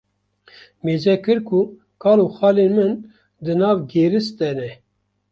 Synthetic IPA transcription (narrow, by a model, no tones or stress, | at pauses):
meːd͡ʒɛkɨɾkʰu | kʰɑːloːxɑːlenmɨn | d̪ɨnɑːvɡeːɾɨst̪ɛnɛ